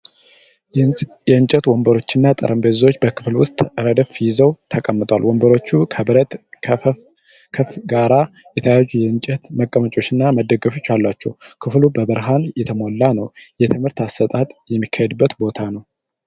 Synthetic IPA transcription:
jɛɨnt͡ʃʼɛt̪wɔmbəɾo̞t͡ʃːɪnːat̪ʼə̰ɾəmbezo̞t͡ʃːbəkʰɨflwʊst̪ʼɨɾəd̪əfijɪzəwt̪ʰəkʼəmːɨt̪ʼwa̰lwɔmbəɾo̞t͡ʃːukʰəɾə | kʰəfɡaɾa | jɛt̪ʰəjazːujɛɨnt͡ʃʼɛt̪məkʼːəmət͡ʃʼo̞t͡ʃːɪnːaməd̪əɡəfo̞t͡ʃːalːat͡ʃːɛwkʰɨflubəbəɾɦanjɛt̪ʰəmolːanəwjɛt̪ʰɨmhɨɾt̪asːət̪ʼat̪ʼjɛmːikʰːajɛd̪ɨbːət̪bo̞t̪ʰanəw

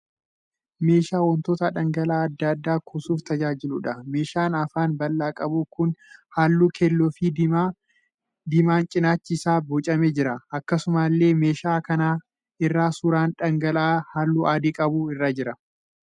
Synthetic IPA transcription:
me̞ːʃaːwɔnt̪oːt̪ɐᶑɐŋɡɐlaːɐd̪ːɐd̪ːaːkʰʊsuːft̪ɐd͡ʒaːd͡ʒɪluᶑɐme̞ːʃaːnɐfaːnbɐlːaːkʼɐbuːkʊnhaːlːuːkʰelːɔːfiː | d̪ɪmaːnt͡ʃʼɪnaːt͡ʃːɪsaːboːt͡ʃʼɐmɛd͡ʒɪɾɐɐkːɐsʊmaːlːe̞ːme̞ːʃaːkɐnaː | ɪrːaːsuːɾaːnᶑɐŋɡɐlaːhaːlːuːʔaːd̪ikʼɐbuːɪrːaːd͡ʒɪɾɐ

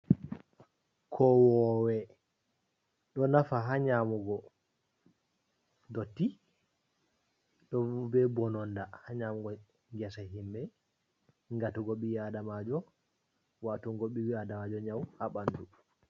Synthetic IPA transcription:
kʰɔwɔwɛ | ɗɔnafaɦaɲamuɡɔ | dotːi | ɗɔbɛbɔnɔndahaɲamuɡɔ | ŋɡɛsaɦimbɛ | ŋɡatuɡoɓiwadamad͡ʒɔ | watuŋɡoɓiwiadamad͡ʒɔɲawhaɓanːdu

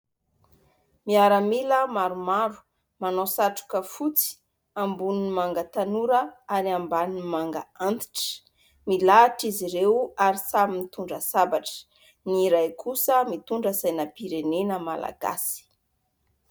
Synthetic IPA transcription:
miaɾəmiləmaɾumaɾu̥ | manosaʈ͡ʂu̥kəfut͡si̥ | ambuninimaŋɡət̪anuɾəaɾiambanmaŋɡa̰ant̪i̥ʈ͡ʂə̥ | milaʈ͡ʂiziɾewaɾisamimit̪uɳɖ͡ʐəsabaʈ͡ʂə̥ | niɾajkʰusəmit̪uɳɖ͡ʐəzajnəpiɾenenəma̰la̰ɡa̰si̥

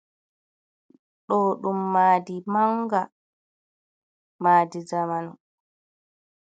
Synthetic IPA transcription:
ɗɔːɗumːaːdimaŋɡa | maːdid͡ʒamanɔ

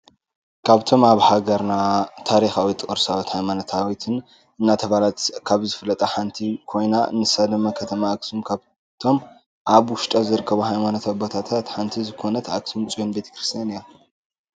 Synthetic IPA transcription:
kʰaβt̪ʰo̞maβhaɡɐɾnat̪ʰaɾixawit̪ʰʼːkʼɨɾsawit̪hajmanot̪ʰawit̪ʰɨn | ɨnːat̪ʰɐβalat̪kʰaβzɨfɨlːɐt̪ʼɐħant̪ʰikʰo̞jnaɨ̰nɨsad̪ɨmːakʰɐt̪ʰɐmaːksumkʰaβ | t̪ʰo̞m | ʔaβwʊʃt̪ʼɐzɨɾɨkʰːɐβuhajmanot̪ʰabot̪ʰat̪ʰat̪ħant̪ʰizɨkʰo̞nɐt̪ʕa̰ksumt͡sʼjonbe̞t̪ʰɐ̥kɾɨst̪ʰijanijo

